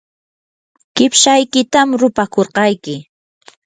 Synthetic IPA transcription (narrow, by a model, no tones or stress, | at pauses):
kɪpʃajkɪt̪amɾʊpakoɾqɑjkɪ